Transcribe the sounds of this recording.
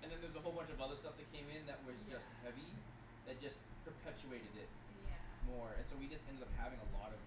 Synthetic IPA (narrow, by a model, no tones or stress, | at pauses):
ɨ̃nðɨ̃nðə˞wʌzəɦoʊlˠbʌ̃nt͡ʃʌvʌðə˞stʌfðɨt̚kʰẽɪ̃mɪ̃nðɨʔ̚wʌzd͡ʒʌst̚hɛvi | ðɨt̚d̥ʒ̥ʌspʰə˞pʰɛt͡ʃʉeɪɾɨɾɪt̚ | jæ̰mɔɹɨ̰̃nsoʊwid͡ʒʌstɛ̃ndɨɾʌp̚hævɪ̃ŋəlɔɾʌv